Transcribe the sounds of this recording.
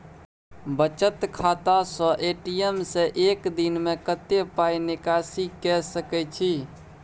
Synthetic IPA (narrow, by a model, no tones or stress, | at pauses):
bət͡ʃət̪kʰat̪asə̃ʔeʈijemsẽʔekd̪inmekət̪epainikasikɛsəkɛt͡ʃʰi